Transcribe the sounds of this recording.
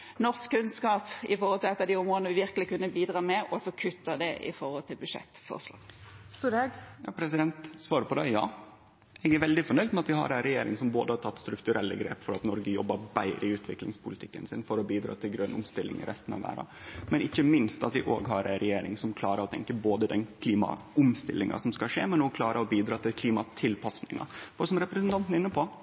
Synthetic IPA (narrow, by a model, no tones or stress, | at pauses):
nɔɾskʰːʉnskɑːpɪfɔɾhɔlt̪ʰɪlɛt̪ːɑd̪iʊmɾɔd̪nəʋɪʋɪɾkəlɪkʉnːəbiːd̪ɾɑːmɛʔɔsɔkʰʉt̪ːəd̪ɛʔɪ̰fɔɾhɔlt̪ʰɪlbʉʂɛ̰t̪ːfɔ̰slɑ̰ːɡsɔd̪eɡjɑːpʰɾɛsɪd̪ɛnt̪sʋɑːɾəpɔd̪æɪjɑ̰ː | ɛɡæɾʋɛld̪ɪfɔɳœʏd̪mɛɑt̪ʋɪɦɑ̰ɾæɛnɾɛjeːɾɪ̰ŋsɔmboːd̪əhɑt̪ʰɑt̪ːst̪ɾʉkt̪ʉɾɛlːə̰ɡɾḛːpfɔɾɑt̪nɔɾɡəjɔ̰bːəbæɪɾəɪʉːt̪ʰʋɪklɪ̰ŋspʰʊlɪt̪ʰɪkːənsɪnfɔɾɔbiːd̪ɾɑ̰ːt̪ʰɪlɡɾœnʊ̰mst̪ɪlːɪ̰ŋɪ̰ɾɛst̪n̩ɑ̰ʋæ̰ːɾɑ̰ | mɛnɪçːəmɪnst̪ɑ̰t̪ʋɪʔo̰ːɡɦɑɾæ̰nɾɛjeːɾɪ̰ŋsɔmkʰlɑːɾəɔt̪ʰɛŋkəboːd̪əd̪ɛnkʰliːmɑ̰ʔʊmst̪ɪlːɪŋɑ̰sɔmskɑʂḛːmɛnɔːkʰlɑːɾəɔbiːd̪ɾɑːt̪ʰɪlkʰliːmɑt̪ʰɪlpʰɑsnɪŋɑ̰fɔsɔmɾɛpɾɛsənt̪ʰɑnt̪nɪnːəpʰo